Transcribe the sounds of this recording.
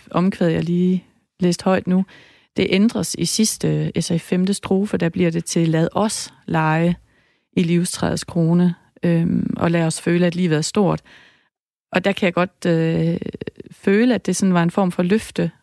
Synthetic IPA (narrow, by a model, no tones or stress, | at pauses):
ʔɒ̽mkʰʋeðˠjɑliː | lḛːsd̥hɒ̽ɪ̰d̥nu | d̥e̝ʔend̥ʁɐsisisd̥əesɐifemd̥əsd̥ʁo̝ːfəd̥æb̥liɐd̥e̝t͡sʰe̝læð̞̩ˠʔɒslɑ̈ɪə | iliʊst͡sʰʁɛ̰ðˠskʰʁo̝ːnə | øʔɒ̽læɒ̽sføːləæd̥liːʋð̩ˠæɐsd̥o̝ɐ̰d̥ | ʔɒ̽d̥ækʰæjɑɡ̥ɒ̽d̥ø | føːləæd̥e̝sɒ̽nʋɑ̈e̝nfɒ̰ːmfɒ̽løfd̥ə